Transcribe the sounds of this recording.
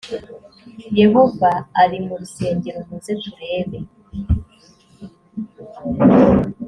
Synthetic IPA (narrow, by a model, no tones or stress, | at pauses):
jeɦovaaɾimuɾuseːɲɟeɾomuzetuɾe̞ːβe̞